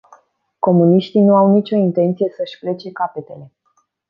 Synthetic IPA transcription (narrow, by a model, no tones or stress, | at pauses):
ko̞muniʃt̪inuawnit͡ʃʲo̞int̪e̞nt̪sije̞səʃʲple̞t͡ʃe̞kape̞t̪e̞le̞